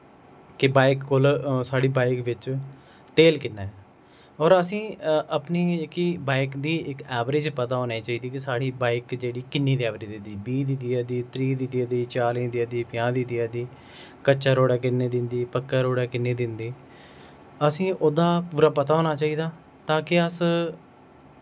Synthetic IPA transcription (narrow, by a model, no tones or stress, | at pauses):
kɪbaːɪkːoːlsaːɽiːbaːɪkʋɪt͡ʃ | t̪eːlkɪnːaːɛː | ɔːɾəsĩːəpniːkibaːɪkd̪iːɪkɛːʋɾɪd͡ʒpət̪aːɦoːneːt͡ʃaːiːd̪iːkɪsaːɽiːbaːɪkd͡ʒeːɽiːkɪnːiːd̪iːɛːʋɾed͡ʒd̪ɪnd̪iːbiːd̪ɪt̪iːaːd̪iːt̪ɾiːd̪ɪt̪iːaːd̪iːt͡ʃaːlẽːd̪iaːd̪iːpɪjãːd̪ɪt̪iːaːd̪iː | kət͡ʃːʃaːɾoːɽaːk̬ɪnːeːd̪ɪnd̪iːpəkːaːɾoːɽaːkɪnːeːd̪ɪnd̪iː | əsĩːʔoːd̪aːpuːɾaːpət̪aːɦoːnaːt͡ʃaːiːd̪aː | t̪ãːkɪəs